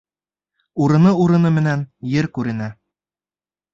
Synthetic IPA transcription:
uɾɤ̆nɤuɾɤ̆nɤmɘ̆nænjɘɾkʉɾɘ̆næ

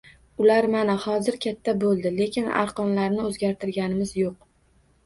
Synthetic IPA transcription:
ʊlaɾmanahɒzɪɾkʲʰat̪ʰːabolˠd̪ɪle̞kʲʰɪna̰ɾqɒnlaɾnɪɵzɡʲaɾt̪ʰɪɾɡʲanɪmɪzjoq̚

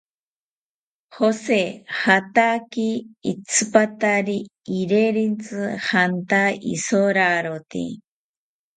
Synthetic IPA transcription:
hosehat̪akiːt͡sʰɨpat̪aɾiː | ɾeɾint͡sɨhant̪aḭsoɾaɾot̪ḭ

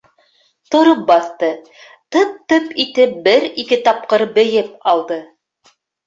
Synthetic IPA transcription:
t̪ŏɾop̚bɑθt̪ɤ | t̪ɤp̚t̪ɤpit̪ɘp̚bɘɾikɘt̪ɑp̚qɤɾbɘ̆jɘp̚ɑlˠd̪ɤ

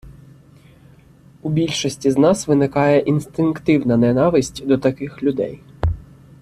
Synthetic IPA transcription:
ubʲilʲʃɔsʲtʲiznɑsʋɪnɪkɑjɛʔinst̪ɪnkt̪ɪwnɐnɛnɑʋɪsʲtʲd̪ɔt̪ɐkɪxlʲʊd̪ɛ̰j

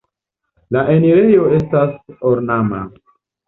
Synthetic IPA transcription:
laʔeniɾe̞jo̞e̞stasoɾnama̰

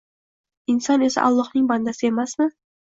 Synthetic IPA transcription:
ɪnsɒnesa̰ʔa̰lˠːɒhnɪŋband̪asɪe̞masmɪ

